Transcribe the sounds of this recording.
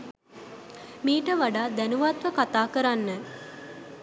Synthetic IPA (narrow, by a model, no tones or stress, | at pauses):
miːʈəʋaɖaːd̪ænuʋat̪ʋəkat̪aːkəɾanːə